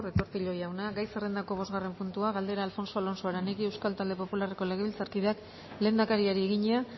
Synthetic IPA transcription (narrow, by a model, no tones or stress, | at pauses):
ret̪o̞ɾt̪iʎo̞jawnaɡajsere̞nd̪ako̞β̞o̞zɣare̞mpunt̪uaɣald̪e̞ɾaːlfo̞nso̞alo̞nsoaɾanekie̞wskalt̪ald̪e̞po̞pulareko̞le̞ɣ̞eβilt͡saɾkið̞eak | le̞ːnd̪akaɾiaɾieɣiɲea